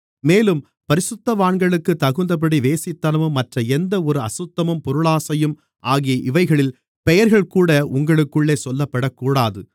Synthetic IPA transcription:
meːlɯm | pɐɾɪsʊt̪ːɐʋaːɳɡɐɭɯkːɯt̪ːɐɣɯnd̪ɐp̬ɐɽiʋeːsɪt̪ːɐnɐʋɯmːɐʈrɐɛnd̪ɐɔɾɯɐ̰sʊt̪ːɐmɯmpɔɾɯɭaːsɐjɯm | ʔaːɣijɐʔɪʋɐɪɣɐɭɪl | pɛjɐɾɣɐɭkuːɽɐʊŋɡɐɭɯkːɯɭːeːsɔlːɐpːɐɽɐkːuːɽaːðɯ

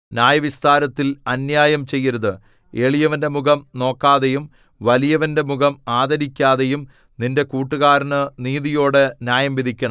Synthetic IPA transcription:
nʲjaːjɐʋist̪ʰaːɾɐt̪ːilɐnjaːjɐmt͡ɕe̞jːɐɾɐðɨ | e̞ːɭijɐʋɐnde̞muɡɐmno̞ːkːaːðejum | ʋɐlijɐʋɐnde̞muɡɐmaːd̪ɐɾikʲːaːðe̞jum | ninde̞kuːʈːuɣaːɾɐnɨniːðijo̞ːɽenʲjaːjɐmʋid̪ikʲːɐɳɐm

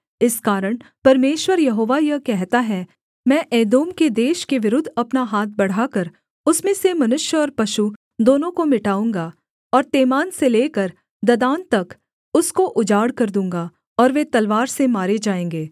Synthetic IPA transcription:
ɪskaːɾəɽ̃pɐɾmeːʃwəɾjɐɦoːʋajɐɦkɛɦt̪aɦɛ | mɛ̃ːʔeːd̪oːmked̪eːʃkeʋɪɾʊd̪ʱɐpnaɦaːt̪̚ʰbɐɽ̤aːkɐɾ | ʊsmẽsemɐnʊʃjəɔːɾpɐʃu | d̪oːnõkomɪʈaːũːŋɡa | ɔːɾt̪eːmaːnseleːkəɾ | d̪ɐd̪aːnt̪ɐk | ʊskoʔʊd͡ʒaːɽkɐɾd̪ũːŋ̆ɡa | ɔːɾʋet̪ɐlʋaːɾsemaːɾed͡ʒaːẽːŋɡeː

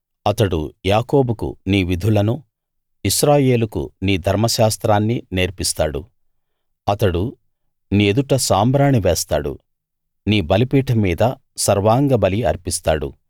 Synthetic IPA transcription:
ɐt̪ɐɽṵjaːko̞ːbukṵniːʋid̪ʱulɐnu | iʃɾaːje̞ːlukṵniːd̪ʱɐɾmɐʃaːst̪ɾaːnːine̞ːɾpist̪aːɽṵ | ɐt̪ɐɽu | nied̪uʈɐsaːmbɾaːɳiʋɛːst̪a̰ːɽṵ | niːbɐlipiːʈʰɐmiːd̪ɐ | sɐɾʋaːŋɡɐbɐliɐɾpist̪aːɽṵ

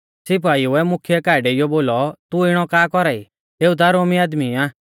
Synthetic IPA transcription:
sɪp̬aːiʊɛmʊkʰɪjɛkaːɖɛɪjɔboːlɔt̪uɪɽ̃ɔkaːkɔɾaːḭ | eːut̪̬aɾoːmiaːd̪miaː

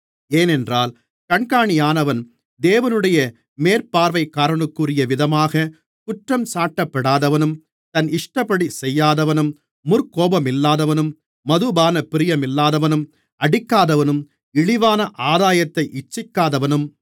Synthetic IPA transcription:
eːnɛndraːl | kɐɳkaːɳɪjaːnɐʋɐn | d̪eːʋɐnɯɽɐjɐ | meːɾpaːɾʋɐɪkːaːɾɐɳɯkːɯrɪjɐʋɪðɐmaːɣɐ | kʊʈrɐmsaːʈːɐpːɐɽaːðɐʋɐnɯm | t̪ɐnɪʂʈɐpːɐɽisɛjːaːðɐʋɐnɯmː | ʊrkoːbɐmɪlːaːðɐʋɐnɯmː | ɐðɯbaːnɐpɪɾɪjɐmɪlːaːðɐʋɐnɯm | ɐɽɪkːaːðɐʋɐnɯm | ɪɻɪʋaːnɐʔaːðaːjɐt̪ːɐɪʔɪt͡ʃːɪkːaːðɐʋɐnɯm

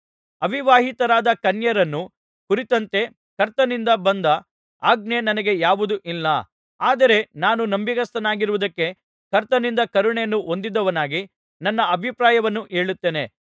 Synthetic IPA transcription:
ɐbʱiʋaːɦit̪ɐɾaːd̪ɐkɐnjɐɾɐnːu | kuɾit̪ɐnt̪e̞ | kɐɾt̪ɐnind̪ɐbɐnd̪ɐ | aːɡ̚nenɐnɐɡe̞jaːʋud̪uʔilːɐ | aːd̪ɐɾe̞naːnunɐmbikɐst̪ɐnaːɡiɾuʋud̪ɐkːe̞ | kɐɾt̪ɐnind̪ɐkɐɾuɳejɐnːuʔo̞nd̪id̪ːɐʋɐnaːɡi | nɐnːɐʔɐbʱipɾaːjɐʋɐnːuʔe̞ːɭut̪ːe̞ːne̞

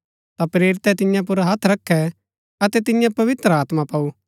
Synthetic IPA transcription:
t̪apɾeːɾɪt̪ɛt̪ɪ̃jãp̬ʊɾaɦɐt̪ʰɾɐkʰːɛ | ɐt̪ɛt̪ɪjãpɐʋɪt̪ɾaːt̪mãpɐu

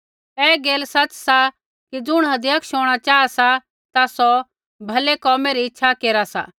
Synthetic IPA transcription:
ɛːɡeːlsɐt͡ʃsa | kid͡zʊɽ̃ɦɐd̪jɐkʃoːɽ̃at͡ʃaːasa | t̪asɔ | bʱɐlekɔːmeɾiɪtːʃʰakeːɾasa̰

